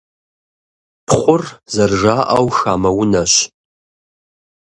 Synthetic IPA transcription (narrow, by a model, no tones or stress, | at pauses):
pʰχʷʊrzɐrʒaːʔɐwxaːmɐwʊnɐɕ